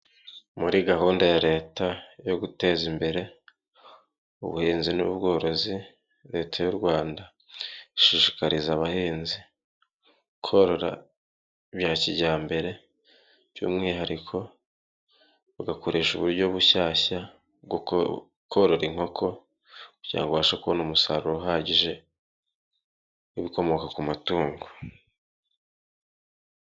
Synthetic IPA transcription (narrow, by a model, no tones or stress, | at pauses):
muɾiɡaɦuːndajaɾe̞ːtajo̞ɡute̞ːzimbe̞ɾe̞ | ṵβṵhiːnzinṵbɡo̞ːɾo̞zi | ɾe̞ːtʰajuɾɡwaːnda | ʃiʃi̥kaɾizaβahiːnzi | kʰoɾo̞ɾa̰ | βjaːciɟaːmbe̞ɾe̞ | βjṵːmŋiːɦaɾikʰo̞ | βaɡako̞ɾʔe̞ːʃuβuɾɟo̞βuʃaːɕa | ɡ | kʰoɾo̞ɾiŋho̞kʰo̞ | kuɟiɾa̰ŋɡoβaʃakuβonoːmusaɾuɾoɦaːɟiʒe̞ | iβiko̞mo̞kakumatuːŋɡo